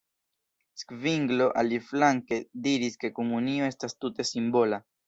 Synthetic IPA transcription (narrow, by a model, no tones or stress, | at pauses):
skviŋɡlo̞ʔaliflaŋke̞diɾiske̞komunioe̞stastute̞simbo̞la